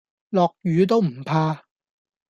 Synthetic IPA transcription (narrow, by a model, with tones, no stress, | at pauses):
lɔː˨k̚jyː˨˧t̪o˥wm̩˨˩pʰaː˧